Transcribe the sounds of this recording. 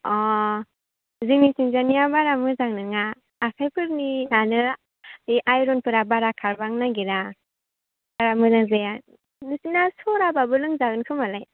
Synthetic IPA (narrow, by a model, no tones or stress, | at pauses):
ɔ | zimisiŋzanijabaɾamɯzaŋnɯŋaː | kʰajpʰɯɾninanɯ | iʔajɾɔnpʰɯɾabaɾakʰaɾbaŋnaɡiɾa | baɾamɯzaŋzaja | nɯsinasɔɾababɯlɯŋzaɡɯnkʰɯmalaj